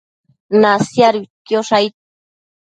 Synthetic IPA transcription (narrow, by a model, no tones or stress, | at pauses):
nasjaɾut̪joʂajt̪̚